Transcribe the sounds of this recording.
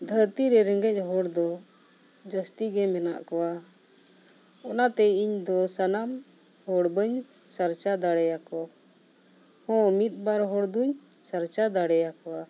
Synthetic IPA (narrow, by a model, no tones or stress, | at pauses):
d̪ʱəɾt̪iɾɛɾɛŋɡɛc̚ˀɦɔɽd̪ɔ | d͡ʒəst̪iɡɛmɛna̰ʔkɔwa | ɔnat̪ɛiɲd̪ɔsanam | hɔɽbəɲ | saɾt͡ʃad̪aɽɛjakɔ | hɔ̃mit̪̚baɾɦɔɽd̪uɲ | saɾt͡ʃad̪aɽɛjakɔwa